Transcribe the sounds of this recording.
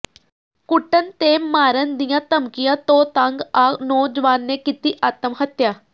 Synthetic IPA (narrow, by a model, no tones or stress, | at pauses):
kʊʈːənt̪eːmaːɾənd̪ɪjãːt̪əmkɪjãːt̪õːt̪əŋɡaːnoːd͡ʒəʋaːnːeːkit̪iːʔaːt̪əmɦət̪jaː